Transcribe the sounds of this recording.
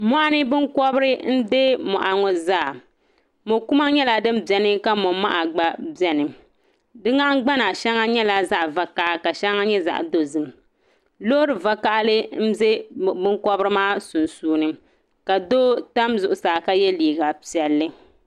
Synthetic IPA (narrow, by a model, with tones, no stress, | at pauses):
mɔ˦ʔa˦nɨ˦bɨ˦ŋkɔ˦bɾɨ˦n̩˦de˦mɔ̰˨ʔa˨ŋɔ˨zaː˦˨ | mo˨ku˦ma˦ɲɛ˦la˦dɨ˦mbjɛ˨nɨ˦ka˦mɔ˨ma̰˦ʔa˨ɡ͡ba˦bɛ˦nɨ˨ | dɨ˦ŋa˦ɡ͡ba˦na˨ʃɛ˦ŋa˦ɲɛ˦la˦za˦ʔva˨ka˦ʔka˨ʃɛ˦ŋa˦ɲɛ˦za̰˨ʔdo˦zɨ˨m | lo˦ɾɨ˨va˦ka˦ʔlɨ˦n̩˦ze˦˨bɨ˦ŋkɔ˦bɨ˦ɾɨ˦maː˦sʊ˨nsuː˦nɨ˦ | ka˨doː˦ta˦mzʊ˨ʔʊ˨saː˨ka˦jɛ˦liː˨ɡa˨pi˨ɛ˨lːɨ˦